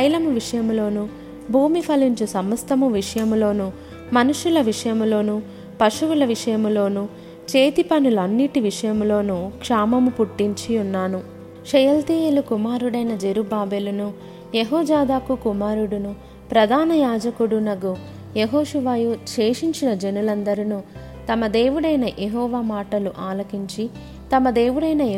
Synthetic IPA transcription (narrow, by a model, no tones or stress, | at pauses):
kɐjlɐmuʋiʂɐjɐmulo̞ːnu | bʱuːmipʰɐliɲt͡ʃusɐmɐst̪ʰɐmuʋiʂɐjɐmlo̞ːnu | mɐnuʂulɐʋiʂɐjɐmulo̞ːnu | pɐʂuʋulɐʋiʂɐjɐmulo̞ːnu | t͡ʃe̞ːt̪ipɐnuluɐnːiʈiʋiʂɐjɐmulo̞ːnukʂaːmɐmupuʈːiɲt͡ʃiunːaːnu | ʃɐjɐlt̪ieːlukumaːɾuɽɐjnɐd͡ʒeɾubaːbeːlunu | jeɦɔːd͡ʒaːd̪aːkukumaːɾuɽunu | pɾɐd̪ʱaːnɐjaːd͡ʒɐkuɽunɐɡu | jeɦoːʂuʋaːjut͡ʃe̞ːʂiɲt͡ʃinɐd͡ʒenulɐnd̪ɐɾinu | t̪ɐmɐd̪e̞ːʋuɽɐjnɐʔeɦɔːʋaːmaːʈɐluʔaːlɐkiɲt͡ʃi | t̪ɐmɐd̪e̞ːʋuɽɐjnɐ